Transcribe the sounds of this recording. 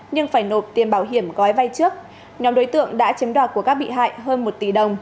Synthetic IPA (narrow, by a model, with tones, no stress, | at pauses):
ɲɨ˧ŋfaː˧˩jno˨˩p̚t̪i˨˩mɓaː˧˩wɦi˧˩əmɣɔ˨˦jva˧jt͡ɕɨ˦˥ək̚ | ɲɔ˨˦mɗo˨˦jt̪ɨ̰˧˨əŋɗa̰ː˧˥t͡ɕi˨˦mɗwaː˧˩t̚ku˧˩əkaː˦˥k̚ɓḭ˧˨ɦa̰ː˧˨jɦəː˧nmo˨˩t̚t̪i˧˩ɗə˨˩wŋ͡m